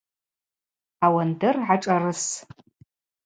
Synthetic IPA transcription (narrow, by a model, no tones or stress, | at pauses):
awandɨrʕaʈ͡ʂʼarɨs